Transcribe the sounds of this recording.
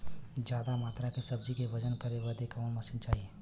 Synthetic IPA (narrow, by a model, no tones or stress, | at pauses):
d͡ʒjaːd̪amaːt̪ɾakesɐb̚d͡ʒikeʋɐd͡ʒənkɐɾeʋəd̪ekanmɐsint͡ʃaːɦieː